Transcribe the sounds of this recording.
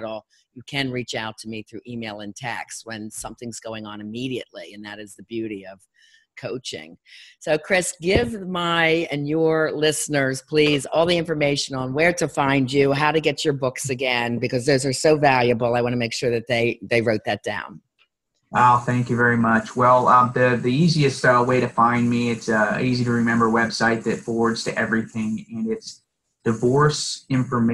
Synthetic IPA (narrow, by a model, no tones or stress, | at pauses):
ɾl̩ˠ | jɨkʰɨ̃nɹit͡ʃaʊtʰɨmiθɹʉʔimeɪlˠɨ̃ntʰɛ̰kst̚wɨ̃nsʌ̃mθɪ̃ŋz̥ɡoʊɪ̃ŋə̃nɨmiɾiɨ̰tˡliɨ̃nðɨɾɨzðɨbjʉɾiʌv̥ | kʰoʊt͡ʃɪ̰̃ŋsoʊkʰɹ̥ɪsɡ̥ɪvmaɪɨ̃njə˞lɪsnə˞z̥pʰl̥izɔlˠðiɪ̃ɱfə˞meɪʃɨ̃nə̃nwə˞ɾɨfãɪ̃nd͡ʒʉɦaʊɾɨɡɛt͡ʃə˞bʊksɨɡɛ̃nbɨkʌzðoʊzə˞soʊvælˠjɨbl̩ˠaɪwɑ̃nəmeɪkʃʊɹðɨt̪̚ðeɪðeɪɹoʊt̪̚ðɨt̚d̥ã̰ʊ̃n | oʊθæ̃ŋkjɨvɛɹimʌt͡ʃwɛlˠʌðɨðiiziɨstʌweɪɾɨfãɪ̃nmiɪtsiziɾɨɹɨmɛ̃mbə˞wɛb̥saɪt̪̚ðɨtfɔɹwə˞dz̥tʰɨʔɛvɹiθɪ̃ŋɨ̃nɪts | d̥ɨvɔɹsɪ̃ɱfə˞m